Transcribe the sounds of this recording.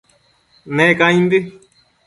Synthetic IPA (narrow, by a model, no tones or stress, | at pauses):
nẽkaĩnd̪i